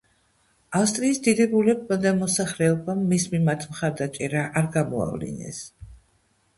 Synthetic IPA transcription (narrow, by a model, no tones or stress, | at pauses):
afst̪ʼɾiːsd̪id̪ɛbulɛbad̪amɔsaχlɛɔbamːismimat̪ʰmχaɾd̪at͡ʃʼɛɾaʔaɾɡamɔa̰vlḭnɛ̰s